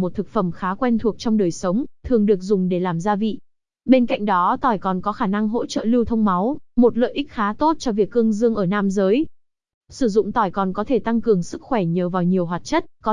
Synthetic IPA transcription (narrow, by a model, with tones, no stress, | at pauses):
mo˨˩t̚t̪ʰɨ˨˩k̚fə˧˩mxaː˨˦kwɛ˧nt̪ʰu˨˩ək̚t͡ɕɔ˧wŋ͡mɗəː˨˩jsə˨˦wŋ͡mt̪ʰɨ˨˩əŋɗɨ˨˩ək̚zʊ˨˩ŋ͡mɗe˧˩laː˨˩mzaː˧vḭ˧˨ | ɓe˧nka̰˧˨jŋ̟ɗɔ˨˦t̪ɔ˨˩jkɔ˨˩nkɔ˨˦xaː˧˩na˧ŋɦo̰˧˥t͡ɕə̰ː˧˨lɨ˧wt̪ʰə˧wŋ͡mma˨˦wmo˨˩t̚lə̰ː˧˨jʔï˦˥k̟̚xaː˨˦t̪o˦˥t̚t͡ɕɔ˧vi˨˩əkːɨ˧əŋzɨ˧əŋʔəː˧˩naː˧mzəː˨˦j | sɨ˧˩zʊ̰˧˨ŋ͡mt̪ɔ˨˩jkɔ˨˩nkɔ˨˦t̪ʰe˧˩t̪a˧ŋkɨ˨˩əŋsɨ˦˥k̚xwɛ˧˩ɲəː˨˦vaː˨˩wɲi˨˩əwɦwaː˨˩t̚t͡ɕə˦˥t̚kɔ˨˦